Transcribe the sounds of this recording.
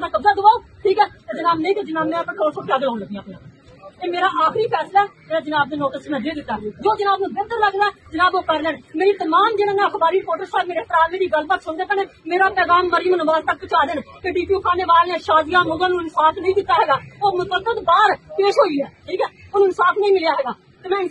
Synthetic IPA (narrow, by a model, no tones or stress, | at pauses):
nãːkəbzaːd̪ʊʋaːoːʈʰiːkɦɛːt̪ed͡ʒənaːbnə̃ĩt̪eːd͡ʒɪnaːbnɛ̃ːpʈʰoːsoːʈjaːɡəlãːnləɡdijãːpːjã̰ː | eːmeːɾaːʔaːxɾiːpʰɛːslaːɛːmeːɾaːd͡ʒɪnaːb̚d̪eːnoːʈəsmɛ̃ːd̪eːd̪ɪt̪ːaːd͡ʒoːd͡ʒənaːbnũːbet̪əɾləɡd̪aɛd͡ʒənaːboːkəɾlɛːnmeːɾiːt̪əmaːmd͡ʒɪɽ̃ãːnãxbaːɾiːɾɪpoːʈəɾsaːjbmeːɾeːt̪ɾaːlmeːɾiːɡəlbək̪sʊnd̪eːkənẽːmeːɾaːpɛːɡaːmːəɾɪjəmnəbaːzt̪ək̚pɪt͡ʃaːd̪eːnkeːɖiːpijuːkʰaːneːʋaːlãːʃaːd̪ɪjãːmʊɡãːnũːɪnsaːpʰnəĩd̪ɪt̪ːaːɦɛːɡaːoːmʊt̪bəkːət̪baːɾpeːʃɦoːiːɦɛːʈʰiːkɛːʊnũːnɪsaːpʰnəĩːmɪljaːɦɛːɡaː | t̪eːmɛ̃ːɪn